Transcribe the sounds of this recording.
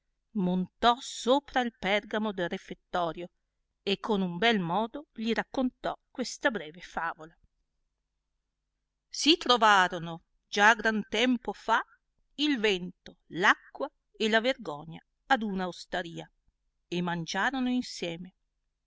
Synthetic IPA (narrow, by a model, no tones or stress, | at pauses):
mont̪ɔsoːpɾailpɛrɡamod̪elrefet̪ːɔːɾjo | ekʰːonumbɛlmɔːd̪oʎiɾakːont̪ɔkːwest̪abɾɛːvefaːvola | sit̪ɾovaːɾono | d͡ʒaːɡɾant̪ɛmpofa | ilvɛnt̪olakːwa | elaverɡɔɲa̰ | ad̪unaost̪aɾiːa | emːand͡ʒaːɾonoinsjɛːme